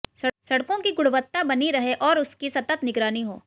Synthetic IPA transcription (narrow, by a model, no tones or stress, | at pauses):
sɐsɐɽkõkiɡʊɽʋət̪ːabɐniɾɐɦeʔɔːɾʊskisɐt̪ət̪nɪɡɾaːniɦo̰ː